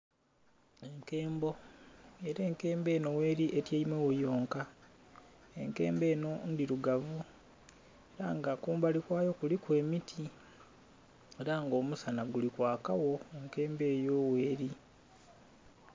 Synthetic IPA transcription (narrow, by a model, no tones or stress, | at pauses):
e̞ŋke̞ːmbo̞eɾe̞ːŋke̞ːmbe̞ːno̞we̞ːɾiʔe̞tjeimwewojo̞ːŋka | e̞ŋke̞̰ːmbe̞ːno̞ndiɾuɡavu | eɾaŋɡakuːmbalikwaːjo̞kulikwe̞ːmitʰi | eɾaŋɡo̞ːmusanaɡulikwaːkawo̞eŋke̞ːmbeːjo̞we̞ːɾi